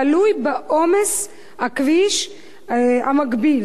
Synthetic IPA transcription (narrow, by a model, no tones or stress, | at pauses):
alujbeʔomes | akviʃ | a̰maɡbil